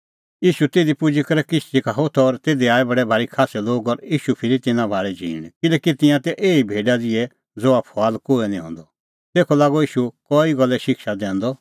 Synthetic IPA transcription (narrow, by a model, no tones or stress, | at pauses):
jiːʃut̪eːd̪ipʊd͡ʒikɐɾɛkɪst͡ʃikaɦot̪ʰɔːɾt̪eːd̪iaːɛbɐɖɛbʱaːɾikʰaːsɛloːɡɔɾiːʃupʰɪɾit̪ɪnãbʱaːɭɛd͡ʒʱḭːɽ̃kɪlɛːkit̪ɪ̃jãt̪ɛʔeːibʱeːɖad͡zɪɛ | d͡zoːapʰoaːlkoːɛnĩɦɔ̰̃ːnd̪ɔ | t̪eːkʰɔlaːɡɔiːʃukɔːiɡɔlːɛʃɪkʃad̪ɛ̃ːnd̪ɔ